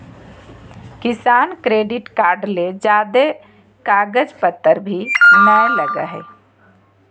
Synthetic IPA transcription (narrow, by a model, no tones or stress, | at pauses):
kɪsaːnkɾeːɖɪʈkaːɾɖled͡ʒaːd̪e | kaːɡəd͡ʒpət̪ːəɾbʱinajləɡə̰ɦɛ̰